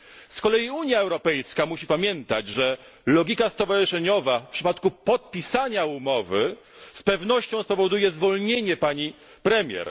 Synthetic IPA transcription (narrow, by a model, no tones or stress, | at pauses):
skɔlɛjiuɲjaɛwɾɔpɛjskamuɕipamʲjɛnt̪ad͡ʑʐɛ | lɔɡʲikast̪ɔvaʐɘʂɛɲɔvafpʂɘpat̪kupɔt̪̚pʲisaɲaumɔvɘ | spɛvnɔɕt͡ɕɔ̃w̃spɔvɔd̪ujɛzvɔlɲeɲɛpaɲi | pɾɛmʲjɛ̰ɾ